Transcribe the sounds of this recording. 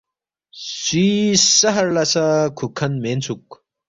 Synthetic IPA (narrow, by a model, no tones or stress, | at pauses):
swiːsɐɦɐɾlɐsɐkʰukʰːɐnment͡sʰuk̚